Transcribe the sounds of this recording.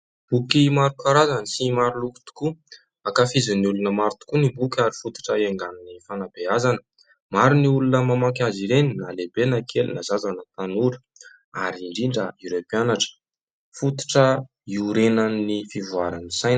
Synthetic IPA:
b̥ukimaɾukaɾazanisimaɾiluku̥t̪u̥ku | akafizəniulunəmaɾit̪u̥kunibukʲaɾifut̪u̥ʈ͡ʂəeŋɡaninifanab̥eazanə | maɾiniulunəmamaŋkʲaziɾeninalebenakʰelunazazanət̪anuɾi̥ | aɾiɳɖ͡ʐiɳɖ͡ʐəeɾopianaʈ͡ʂə̥ | fut̪i̥ʈ͡ʂə | iuɾenanːifivuaɾanisajn

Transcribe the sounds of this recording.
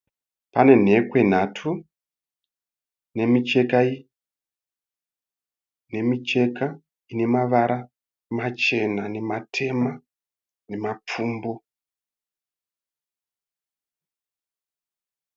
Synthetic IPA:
pane̞n̤e̞kwe̞n̤atʰu | ne̞mit͡ʃe̞kai | ne̞mit͡ʃe̞ka | ine̞maʋaɾa | mat͡ʃe̞nane̞matʰe̞ma | ne̞map͡fuːmbo

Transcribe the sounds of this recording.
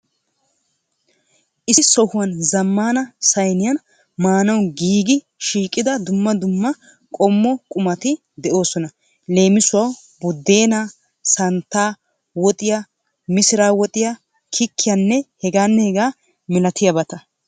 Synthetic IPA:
ʔɪsɔhʊwɐnzɐmːaːnɐsɐjnɪjɐn | maːnɐwɡiːɡɪ | ʃiːkʼːɪd̪ɐd̪ʊmːɐd̪ʊmːɐ | kʼɔmːɔkʼʊmɐt̪ɪ | d̪ɛʔo̞ːsɔnɐ | le̞ːmɪsʊwɐw | bʊd̪ːe̞ːnaː | sɐnt̪ːaː | wɔt̪ʼɪjɐ | mɪsɪɾaːwɔt̪ʼɪjɐ | kʰɪkːɪjanːɛhɛɡaːnːɛhɛɡaː | mɪlɐt̪ɪjɐbɐt̪ɐ

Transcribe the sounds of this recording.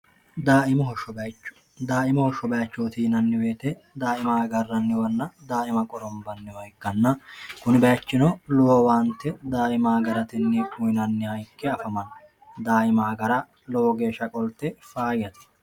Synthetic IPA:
d̪aːʔɪmɔɦɔʃɔbɐjt͡ʃːʊ̥ | d̪aːʔɪmɔhɔʃɔbɐjɐt͡ʃːoːt̪iːnɐnːɪweːt̪ɛ | d̪aːɪmaːɡɐrːɐnːɪwɐnːɐd̪aːʔɪmɐkʼɔɾɔmbɐnːɪwɐjkːɐnːɐkʊnɪbɐjɐt͡ʃːɪnɔlɔwɔwaːnt̪ːɛd̪aːɪmaːɡɐɾɐt̪ɪnːɪkʊjnɐnːɪhɐjkːɛɐfɐmɐnɐ | d̪aːɪmaːɡɐɾɐ | lɔwɔɡe̞ːʃːɐkʼɔlt̪ːɛfaːɡɪjɐt̪ɪ̥

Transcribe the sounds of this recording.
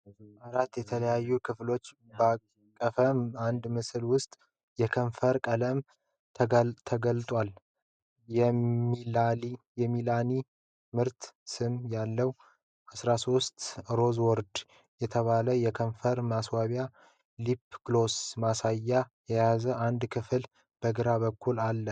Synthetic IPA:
ʔaɾat̪ːjɛt̪ʰələjajːukʰɨflo̞t͡ʃː | ba | kʼːəfəmand̪mɨslwʊst̪ʼ | jɛkʰəɱfəɾkʼələm | t̪ʰəɡəlt̪ʼwal | jɛiali | jɛmilani | mɨɾt̪sɨmjalːəw | ʔasɾaso̞st̪ɾo̞zwɔɾd̪ | jɛt̪ʰəβaləjɛkʰəɱfəɾmaswaβja | lipɡ̥losmasajːajɛjazəʔand̪kʰɨfɨl | b̥əɡɨɾaβəkʰːulalːə

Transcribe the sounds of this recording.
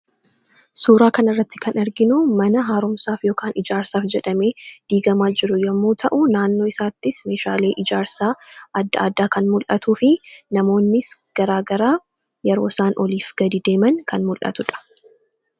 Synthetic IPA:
suːɾaːkɐnɐrːɐt̪ːɪkɐnɐɾɡɪnʊmɐnɐɦaːɾʊmsaːfjo̞ːkaːnɪd͡ʒaːɾsaːfd͡ʒɛᶑɐme̞ːd̪̥iːɡɐmaːd͡ʒɪɾʊjɐmːoːt̪ʰɐʔʊnaːnːo̞ːɪsaːt̪ːɪsme̞ːʃa̰ːle̞ːʔɪd͡ʒaːɾsaːʔɐd̪ːɐaːd̪aːkɐnmʊlʔɐt̪uːfɪnɐmo̞ːnːɪsɡ̥ɐɾaːɡɐɾaː | jɛɾo̞ːsaːnʔɔliːfɡ̥ɐd̪iːd̪e̞ːmɐŋkɐnmʊlʔɐ̰t̪ʊᶑɐ̥

